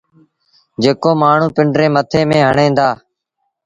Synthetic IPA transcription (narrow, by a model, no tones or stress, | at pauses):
d͡ʒeːkoːmaːɳ̤ũːpɪɳɖɾẽːmət̪ʰẽːmẽːɦəɳẽːnd̪aː